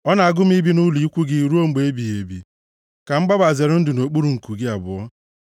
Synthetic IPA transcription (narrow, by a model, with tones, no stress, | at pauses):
ɔ˦na˨a˨ɡʊ˦m̩˦i˦bi˦nu˦li˨i˦kʷu˦ɡɪ˦˨ɾu˦o˦ŋ͡m̩˦˨ɡ͡be˨e˦bi˨e˨bḭ˨ | ka˨m̩˦ɡ͡ba˦ba˨ze˨ɾʊ˦n̩˦dʊ˨no˨k͡pu˦ɾu˨ŋ̩˨ku˨ɡɪ˦a˨bʊ̰˨ɔ˦